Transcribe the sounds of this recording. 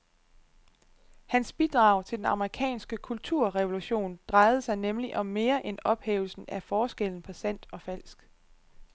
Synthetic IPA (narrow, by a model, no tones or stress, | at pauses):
hænsb̥id̥ʁɑ̈ʊ̰t͡sʰe̝d̥enɑ̈məʁikʰɛ̰ːnsɡ̥əkʰult͡sʰuɐ̰ʁɛʋo̝luɕo̝̰ːnd̥ʁɑ̈ɪð̞̩ˠəsɑ̈ɪnemliʔɒ̽mːe̝ːɐʔenɒ̽b̥hḛːʊlsn̩æfɒːsɡ̥el̰n̩pʰɒsæn̰d̥ɒ̽fæl̰sɡ̥